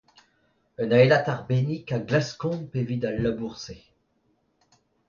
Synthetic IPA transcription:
œnaelat̪aʁbenikaɡlaskɔ̃pevid̪alːabuʁse

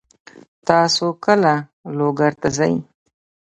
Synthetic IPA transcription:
t̪ɑsokəlaloɡaɾt̪azaj

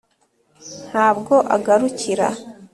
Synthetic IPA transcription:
n̥haːbɡo̞ʔaɡaɾuciɾa̰

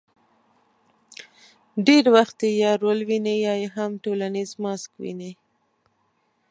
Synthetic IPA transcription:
ɖeɾwaxt̪ejɑɾolwinejɑjeɦamʈolanizmɑskwḭne

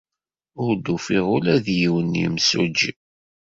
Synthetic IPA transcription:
ʊɾd̪ufiʁʊlæðjiwənḭmsud͡ʒi

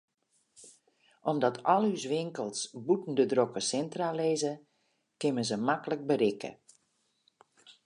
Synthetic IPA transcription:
ʔɔmdɔtʰɔlˠysʋɪŋkəlˠsbutn̩dədrokəsɛntraleːzə | kɪmənzəmakələk̚bəɾɪkʰə̰

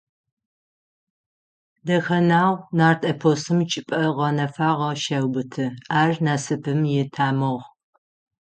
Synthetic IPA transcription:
dɐxɐnaːwnaːrtʰʼɐpʰoːsɨmt͡ʃʼɪpʼɐʁɐnɐfaːʁɐʃɐwbɨtʰɨaːrnaːsɨpʰɨmjɪtʰaːmɨʁ

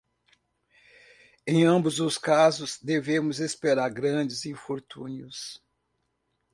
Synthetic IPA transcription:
ẽj̃ɐ̃bʊzʊskazʊzd̪evẽmʊzespeɾaɾɡɾɐ̃d͡ʒɪzĩfoɾt̪ũniʊs

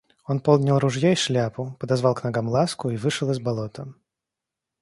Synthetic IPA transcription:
onpolˠɡ̪nʲɪlˠɾʊʐjaiʂlʲapʊpəd̪ɐzvalˠknɐɡamlˠaskʊivɨʂɨlˠɨzbɐlˠot̪ə

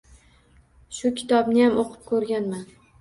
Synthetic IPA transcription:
ʃʊkʲʰɪ̥t̪ʰɒbnɪjamoqʰɨ̥p̚kʰɵɾɡʲanman

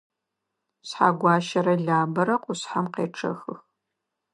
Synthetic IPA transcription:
sħa̰ɡʷɑːʃɐɾɐɮaːbɐɾɐqʷʊɕħamqḛːʈ͡ʂʰɐ̰xɨx

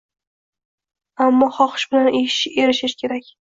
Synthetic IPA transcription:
amːɒχɒqɨ̥ʃbɪlaneʃe̞ɾɪʃɪʃkʲʰe̞ɾakʲ

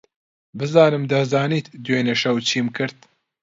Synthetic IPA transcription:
bɨzɑːnɨmd̪ɐzaːniːt̪d̪weːneʃɐwt͡ʃʰiːmkʰɨɾt̪̚

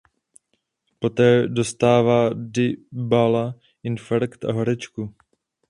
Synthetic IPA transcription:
po̞t̪ɛːdo̞st̪aːvaːdɪbala | ʔɪnfaɾkt̪ʔa̰ɦoɾɛt͡ʃku

